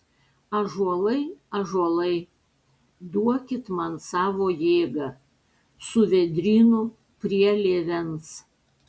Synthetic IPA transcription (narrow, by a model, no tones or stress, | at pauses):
ɐʒuɔlˠɐɪɐʒuɔlˠɐɪ | d̪uɔkʲɪt̪mɐnsɑːʋoːjeːɡɐ | sʊʋʲɛd̪ʲɾʲiːnu | pʲɾʲiɛlʲeːʋʲɛns